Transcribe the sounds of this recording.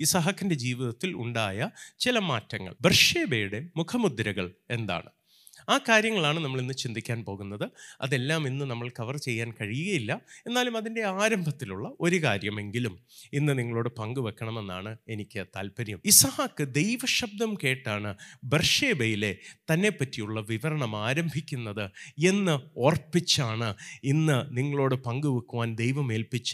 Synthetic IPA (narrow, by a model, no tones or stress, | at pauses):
isɐɦɐkːinde̞d͡ʑiːʋiðɐt̪ːilṵɳɖaːjɐt͡ɕilɐmaːtːɐŋːɐ̰ɭberʂe̞ːbejuɽe̞mukʰɐmud̪ɾɐɣɐɭe̞nd̪a̰ːɳɨ | aːkaːɾjɐŋːɐɭaːɳɨnɐmːɐɭinːɨt͡ɕind̪ikʲːaːnpo̞ːɣunːɐðɨɐ̰ðe̞lːaːminːɨnɐmːɐɭkɐʋɐrt͡ɕe̞jːaːnkɐɻijuɣɐjilːɐe̞nːaːlumɐðinde̞aːɾɐmbʱɐt̪ːiluɭːɐʔo̞ɾukaːɾjɐme̞ŋɡiluminːɨniŋːɐɭo̞ːɽɨpɐŋɡɨʋekːɐɳɐme̞nːa̰ːɳɨenikʲːɨt̪a̰ːlpɐɾjɐmisɐhaːkːɨd̪e̞jʋɐɕɐb̚d̪ɐmke̞ːʈːaːɳɨberʂeːbɐjile̞t̪ɐnːe̞pːɐtːijuɭːɐʋiʋɐɾɐɳɐmaːɾɐmbʱikʲːunːɐðɨe̞nːɨo̞ːrpːit͡ɕːaːɳɨinːɨniŋːɐɭo̞ːɽɨpɐŋɡuʋekːuʋaːnd̪ejʋɐme̞ːlpit͡ɕːɨ̥